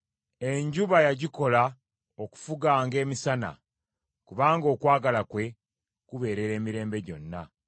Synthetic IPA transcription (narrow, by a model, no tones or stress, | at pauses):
e̞ɲɟuβajaɟiko̞la | oku̥fuɡaːŋɡe̞ːmisana̰ | kuβaːŋɡo̞ːkwaːɡalakwe̞ | kuβe̞ːɾe̞ɾe̞ːmiɾe̞ːmbe̞ɟo̞̰nːa̰